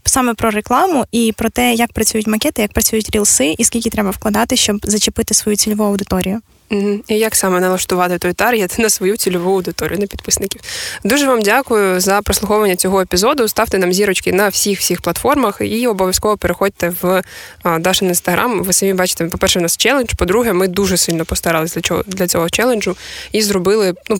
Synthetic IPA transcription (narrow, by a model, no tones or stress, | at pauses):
sɑmɛpɾɔɾeklˠɑmʊʔipɾɔt̪ɛjɐk̚pɾɐt͡sʲujʊtʲmɐkɛt̪ɪjɐk̚pɾɐt͡sʲujʊtʲɾʲilˠsɪʔiskʲilʲkʲɪt̪ɾɛbɐwklˠɐd̪ɑt̪ɪʃt͡ʃɔbzɐt͡ʃɪpɪt̪ɪsʋɔjut͡sʲilʲɔʋuɐwd̪ɪt̪ɔɾʲijʊ | m̩ɦ̩ijɐksɑmɛnɛlˠɐʃt̪ʊʋɑt̪ɪt̪ɔjt̪ɑɾjɛt̪ɪnɐsʋɔjut͡sʲilʲʊʋuɐwd̪ɪt̪ɔɾʲḭjʊnɐpʲid̪pɪsnɪkʲiwd̪uʒɛʋɑmdʲakʊjʊzɐpɾɔslˠʊxɔʋɐnʲːɐt͡sʲɔɦɔepʲizɔd̪ʊst̪ɑwt̪ɪnɑmzʲiɾɔt͡ʃkɪnɐwsʲixwsʲixplˠɐt̪fɔrmɐxiɔbɔʋʲjɐskɔʋɔpeɾexɔd̚ʲt̪ɛʋ | d̪ɑʃnɐinst̪ɐɦɾʔamʋɪsɐmʲibɑt͡ʃɪ̥t̪ɛpɔpɛrʃɛnɑst͡ʃɛlˠenʒ̥pɔd̪ɾuɦɛmɪd̪uʒɛsɪlʲnɔpɔst̪ɐɾɪlˠɪsʲdlʲɐɔd̪lʲɐt͡sʲɔɦɔt͡ʃɛlˠenʲd͡ʒʊizɾɔbɪlˠɪnu